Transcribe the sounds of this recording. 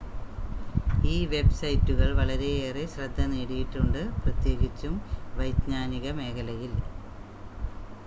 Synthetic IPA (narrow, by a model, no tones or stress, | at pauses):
iːʋe̞bsɐjtːuɣɐɭʋɐɭɐɾe̞eːreɕrɐd̪ʱːɐneːɽijiʈːuɳɖɨprɐt̪je̞ːɣit͡ɕːumʋɐjd̪ɲaːniɣɐme̞ːkʰɐlɐjil